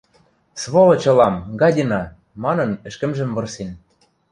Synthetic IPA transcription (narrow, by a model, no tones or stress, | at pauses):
sβolɤ̆t͡ɕɤ̆lɑmɡɑdʲinɑ | mɑnɤ̆nɘ̆ʃkɘ̆mʒɘ̆mvɤ̆rsen